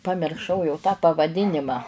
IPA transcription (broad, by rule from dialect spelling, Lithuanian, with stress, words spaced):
pɐmʲɪrˈʃɐʊ jɛʊ tɑː pɐʋɐˈdʲɪnʲɪmɑː